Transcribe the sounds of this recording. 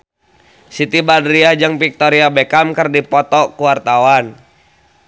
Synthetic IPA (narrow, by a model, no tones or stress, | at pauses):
sit̪ibadɾiad͡ʒəŋpik̚t̪ɔɾiabɛkamkərdipɔt̪ɔkuwart̪awan